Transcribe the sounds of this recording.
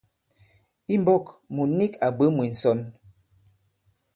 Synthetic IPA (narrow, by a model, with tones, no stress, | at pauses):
i˦m˦bɔ˦˨kmu˨˦ni˦ka˨bə˦mwi˨n̩˨sɔ˨˦n